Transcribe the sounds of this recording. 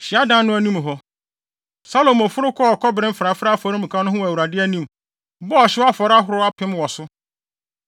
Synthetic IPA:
ɕɪ˨a˦dã˦nnʊ̃˦æ˨nũ˦m˨ɦɔ˦ | sa˦lo˨mɔ˨fʊ˦ɾʊ˦kʰɔ˦ɔ˨kʰɔ˦bɾɪ̃˦m̩˦fɾa˨˦fɾa˦fɔ˨ɾʊ̃˦m̩˨kʰã˦nʊ̃˦ɦʊ̃˦wæ˨u˨ɾa˨dɪ˦æ˦nĩ˦m˨ | bɔ˦ɔ˨ɕɪ˦wa˦fɔ˨ɾa˦ɦʊ˨ɾʊ˦a˦pʰɪ̃˦mwɔ˨sʊ˦

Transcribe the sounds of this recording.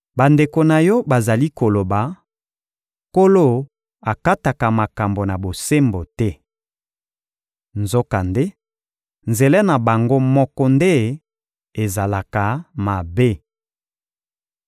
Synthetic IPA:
ba˨nde˨ko˨na˨jɔ˦ba˨za˨li˦ko˨lo˨ba˨ | ko˦lo˦˨ | a˨ka˦ta˨ka˨ma˨ka˨mbo˨na˨bo˨se˦mbo˨tɛ˦ | nzo˦ka˨nde˦ | nze˨lɛ˦na˨ba˨ŋɡo˦mɔ˦kɔ˦nde˦ | e˨za˨la˨ka˨ma˨be˦

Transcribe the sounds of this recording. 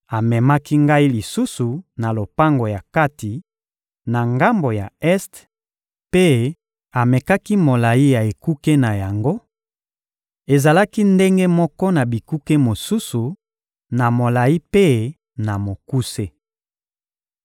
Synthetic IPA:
a˨mɛ˨ma˦ki˦ŋɡa˦i˦li˨su˦su˨na˨lo˨pa˦ŋɡo˨ja˨ka˦ti˨ | na˨ŋɡa˦mbo˨ja˨ɛ˦st | pe˦ | a˨mɛ˨ka˦ki˦mo˨la˨i˦ja˨e˨ku˦ke˦na˨ja˨ŋɡo˦ | e˨za˨la˦ki˦nde˦ŋɡe˦mɔ˦kɔ˦na˨bi˨ku˦ke˦mo˨su˦su˨ | na˨mo˨la˨i˦pe˦ | na˨mo˨ku˦se˦

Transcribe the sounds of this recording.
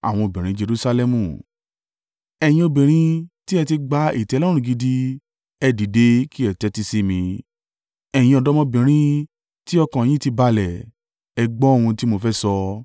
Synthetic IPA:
a̰˨w̃ɔ̃˧o˨bĩ˨ɾ̃ĩ˦d͡ʒe˧ɾu˦˧sa˧lɛ˧mũ˨ | ɛ˨j̃ĩ˧o˧bĩ˨ɾ̃ĩ˧ti˦ɛ˧ti˧ɡ͡ba˧˦ḭ˦˨tɛ˨˧˦lɔ˦ɾ̃ũ˦˨ɡi˧di˧ | ɛ˧di˨de˨˦ki˦ɛ˨tɛ˨˧˦ti˧si˦mĩ˧ | ɛ˨j̃ĩ˧ɔ˨dɔ˦mɔ̃˧bĩ˨ɾ̃ĩ˦ | ti˦ɔ˧kã˨j̃ĩ˦ti˧ba˧lɛ˨ | ɛ˧ɡ͡bɔ˦o˦˨hũ˧ti˦mo˧fɛ˦sɔ˧

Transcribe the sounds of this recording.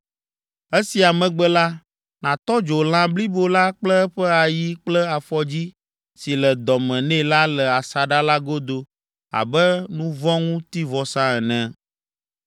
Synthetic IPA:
ɛ˦si˨a˨mɛ̃˨ɡ͡bɛ˦la˦ | nã˨t̪ɔ˦d͡ʒo˨l̃ã˦bli˦bo˦˨la˦k͡plɛ˦ɸɛ˦a˨ji˦k͡plɛ˦a˨fɔ˦d͡ʑi˦ | si˨lɛ˨d̪ɔ˨mɛ̃˨nɛ̃˦la˦lɛ˨a˨sa˨ɖa˦la˦ɡo˦d̪o˦ | a̰˨bɛ˦nũ˦vɔ̃˦ŋũ˦t̪i˦vɔ˨sã˦ɛ˨nɛ̃˨

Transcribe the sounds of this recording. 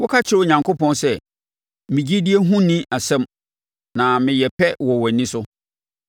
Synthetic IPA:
wɔ˦kʰa˦t͡ɕʰɪ˨ɾɲã˨ŋkʰo˦pɔ̃˦nsɛ˨ | mɪ̃˨d͡ʑi˦di˦e˦ɦũ˦nĩ˦ʔa˨sɛ̃˦m | nã˨mɪ̃˨jɛ˨pʰɛ˦wɔ˨wɔ˨nĩ˦sʊ˦

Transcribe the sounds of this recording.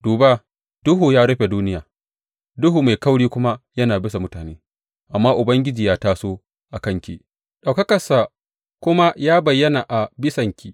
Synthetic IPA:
duː˨baː˦ | d̥ʊ˦ɦuː˨jaː˦ɽɐ˦ɸe˨duː˦nɪ˦jaː˨ | dʊ˦ɦuː˨ma˨jkɐ˦wɽiː˦kʷʊ˦ma˦jɐ˦naː˨bɪ˦sa˨mʊ˦taː˨neː˦ | ʔa˨mːaː˦ʔʊ˨bɐ˦ŋɡʲɪ˦d͡ʒiː˨jaː˦taː˦soː˦ | ʔa˨kɐ˦ŋkʲḭ˨ | ɗa˨wkɐ˦kɐ˨sa˨ | kʷʊ˦ma˦jaː˦bɐ˨jːɐ˦na˨ʔa˨bɪ˦sɐ˨ŋkʲi˦ʔ

